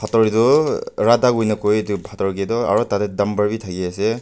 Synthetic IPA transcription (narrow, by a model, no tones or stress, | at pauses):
pʰatɔɹidɔɹadaɡujnakojdipʰatɔɹkedɔa̰ɹɔtatedambaɹbitʰaɡiase